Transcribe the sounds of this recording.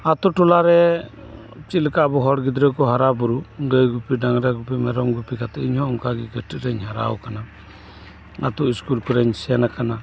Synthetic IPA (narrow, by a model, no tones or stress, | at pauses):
at̪uʈulaɾɛ | t͡ʃilkabɔɦɔɽɡid̪ɾɛkɔɦaɾabuɾuɡəjɡupiɖaŋɾaɡupimɛɾɔmɡupikat̪ɛiɲhɔɔŋkaɡiɡəʈiʔɾɛɲɦaɾa̰wkana | a̰t̪uʔiskulkɔɾɛɲsɛanakana